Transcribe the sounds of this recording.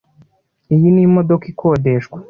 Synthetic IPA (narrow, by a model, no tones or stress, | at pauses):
ijinimod̪okikʰoːdeʃkwḁ